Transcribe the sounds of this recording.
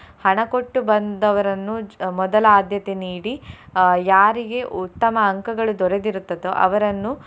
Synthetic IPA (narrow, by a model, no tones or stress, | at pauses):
hɐɳɐkoʈːubɐnd̪ɐʋɐɾɐnːumɔd̪ɐlɐaːd̪jɐt̪eniːɽijaːɾiɡe̞ʔut̪ːɐmɐːŋkɐɡɐɭud̪ɔɾed̪iɾut̪ːɐd̪oʔɐ̰ʋɐɾɐnːu